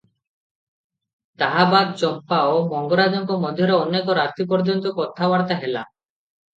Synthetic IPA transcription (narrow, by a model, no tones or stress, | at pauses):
t̪aɦabad̪̚t͡ɕɔmpaomɔŋɡɔɾad͡ʒɔŋkɔmɔd̪ʱjɔɾeɔnːekɔɾaɾt̪ip̬ɔɾd͡ʒont̪ɔkɔt̪ʰabaɽt̪aɦela̰